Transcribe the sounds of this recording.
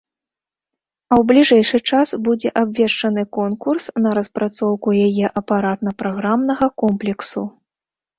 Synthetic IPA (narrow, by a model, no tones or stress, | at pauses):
ɐwblʲiʐɛjʂɨt͡ʂasbud͡zʲɛʔabʲvʲɛʂt͡ʂɐnɨkɔnkursnɐɾɐspɾat̪sɔwkujajɛʔɐpaɾat̪nɐpɾaɣɾamnɐɣɐkɔmplʲɛksṵ